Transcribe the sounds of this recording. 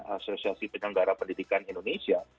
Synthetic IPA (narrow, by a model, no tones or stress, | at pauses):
a̰sosiasipəɲnəŋɡaɾapəndidikanindonesia